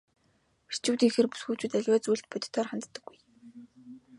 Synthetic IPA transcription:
pi̥t͡ɕuːt̪iŋxĕrpu̥sxuːt͡ɕuːt̪æɮʲwaːt͡sujɮt̪̚pʊt̪̆ʰt̪ʰɔːrχant̪t̪ːə̆ɡ̥ːuj

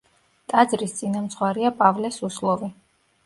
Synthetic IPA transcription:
t̪ʼad̪zɾist̪sʼinamt̪sʰχwaɾiapʼavlɛsuslˠɔvi

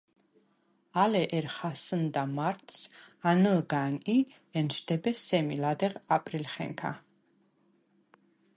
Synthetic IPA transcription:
alɛʔɛɾχasənd̪amaɾt̪ʰsanəɡani | ɛnʃd̪ɛbɛsɛmilad̪ɛʁapʼɾilχɛ̰ŋkʰa̰

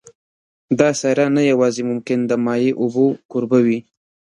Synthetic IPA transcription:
d̪ɑsaɾanajawɑzemʊmkɪnd̪əmɑjeʔʊbokʊɾbawi

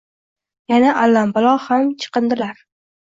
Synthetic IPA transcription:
janaʔalːambalˠɒhamt͡ʃʰɨ̥qɨnd̪ɪlaɾ

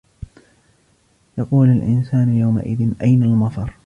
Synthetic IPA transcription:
jɑquːlalʔɪnsaːnjawma̰ʔɪðɪnʔajnalmɑt̪ˤɑɾˤ

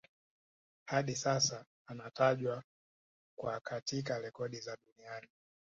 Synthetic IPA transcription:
haɗisasaː | nataʄwa | kwakʰatik̬alɛkɔɗizaɗuniani

